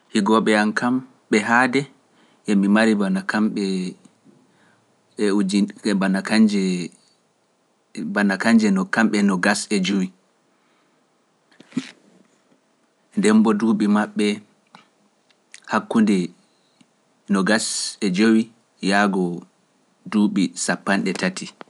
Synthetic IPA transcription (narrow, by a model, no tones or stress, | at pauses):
hiɡɔɓɛankʰam | ɓɛɦaːdɛ | ʔɛmimaɾibanakamɓɛ | ɛuibanakad͡ʒɛ | banakaɲd͡ʒɛnɔkamɓɛnɔɡasɛd͡ʒowi | ndɛmbɔduːɓimaɓːɛ | hakːundɛ | nɔɡasɛd͡ʒowi | jaːɡɔ | duɓisapːanɗɛtati